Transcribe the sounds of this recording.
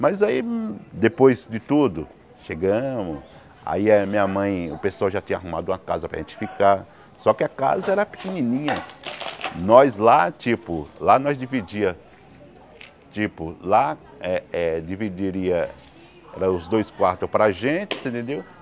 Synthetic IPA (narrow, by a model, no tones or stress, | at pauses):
mɐzaid̪epojzd͡ʒɪt̪ud̪ʊ | ʃeɡɐ̃mʊs | a̰iɐmĩɲɐmɐ̃j̃ʊpesʊawʒat͡ʃĩɲɐaɦũmad̪ʊũɐkazɐpɾɐ̰ʒẽt͡ʃɪ̥fikaɾ | sɔkɪɐka̰zɐɛɾɐpɪ̥kenĩnĩɲɐ | nɔjzlat͡ʃipʊlanɔjzd͡ʒivid͡ʒiɐ | t͡ʃipʊla | ɛɛd͡ʒivid͡ʒiɾiɐ | ɛɾɐʊzd̪ojskwaɾt̪ʊpɾɐʒẽnt͡ʃɪ̥sẽnt̪ẽnd̪ew